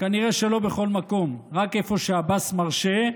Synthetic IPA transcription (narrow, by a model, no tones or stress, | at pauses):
kaniʁe̞ʃe̞lo̞be̞χo̞lmako̞mʁake̞fo̞ʃeabasmaʁʃe̞